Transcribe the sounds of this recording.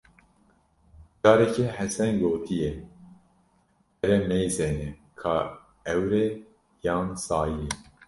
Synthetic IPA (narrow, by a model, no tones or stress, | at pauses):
d͡ʒɑːɾɛcehɛsɛnɡoːt̪ʰijɛ | ɛɾɛmɛjzenɛkʰɑː | ɛwɾe | jɑːnsɑːjije